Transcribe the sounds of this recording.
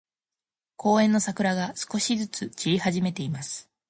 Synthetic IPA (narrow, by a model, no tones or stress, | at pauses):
ko̞ːẽ̞nːo̞sakɯ̟ɾaɡasɨ̥ko̞ɕizɨt͡sɨt͡ɕiihaʑime̞t̪e̞imasɨ̥